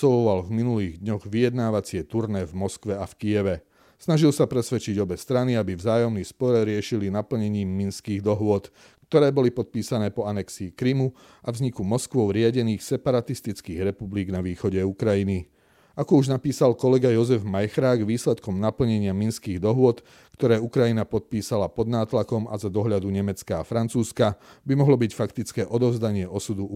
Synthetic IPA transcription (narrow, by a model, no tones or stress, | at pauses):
sɔlɔʋalvminuliːɣd̪ɲɔɣʋijɛd̪naːʋat͡sɪɛt̪uɾnɛːvmɔskʋɛafkijɛʋɛ | snaʒilsapɾɛsʋɛt͡ʃiɟɔbɛst̪ɾaniabivzaːjɔmnispɔɾɾɪɛʃilinapl̩ɲɛɲiːmːinskiːɣd̪ɔɦʊɔt̪ | kt̪ɔɾɛːbɔlipɔt̪̚piːsanɛːpɔanɛksiːkɾimu | ʔavzɲikumɔskʋɔʊɾɪaɟɛniːxsɛpaɾat̪ist̪it͡skiːɣɾɛpubliːɡnaʋiːxɔɟɛukɾajini | akɔuʒnapiːsalkɔlɛɡajɔzɛvmajxɾaːɡʋiːslɛt̪kɔmnapl̩ɲɛɲɪaminskiːɣd̪ɔɦʊɔt̪ | kt̪ɔɾɛːukɾajinapɔt̪̚piːsalapɔd̪naːt̪lakɔma̰zad̪ɔɦʎad̪uɲɛmɛt͡skaːfɾant͡suːskabimɔɦlɔbicfakt̪it͡skɛːʔɔd̪ɔʊzd̪aɲɪɛʔɔsud̪u